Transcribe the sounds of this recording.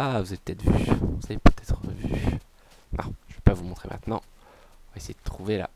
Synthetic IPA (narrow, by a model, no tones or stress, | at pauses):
avuzavetpət̪ɛt̪χvyvuz̥avepøt̪ʰɛt̪χəvy | nɔ̰̃ʒ̥əvɛpavumɔ̃t̪χemʔɛ̰̃t̪nɑ̃ | ɔ̃vaesejed̪ət̪χuvela̰